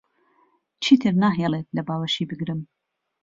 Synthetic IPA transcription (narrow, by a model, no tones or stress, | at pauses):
t͡ʃʰiːt̪ʰɨɾnaːɦelˠet̪̚lɐbaːwɐʃiːbɨɡɾɨm